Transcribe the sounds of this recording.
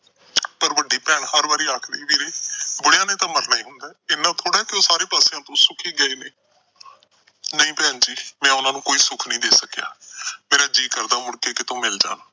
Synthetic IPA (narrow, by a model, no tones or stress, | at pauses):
pəɾʋəɖːiːpɛːɳhəɾbaːɾiːaːkʰd̪eːbiːɾeːbʊɽjãːnẽːt̪ãːməɾnaːĩːɦʊnd̪aːɪnːãːt̪ʰoːɽaːkɪoːsaːɾeːpaːsejãːt̪õːsʊkʰiːɡəiːneː | nəĩːpɛːnd͡ʒiːmɛ̃ːʊnãːnũːkoːiːsʊkʰnəĩːd̪eːsəkja̰ːmeːɾaːd͡ʒiːkəɾd̪aːmʊɽkeːkɪt̪õːmɪld͡ʒa̰ːnː